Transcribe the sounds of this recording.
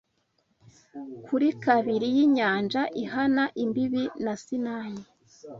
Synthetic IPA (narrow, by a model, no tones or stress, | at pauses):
kʰuɾikaβiɾijiɲaːnd͡ʒaʔihanaʔimbiβinasinaːɲe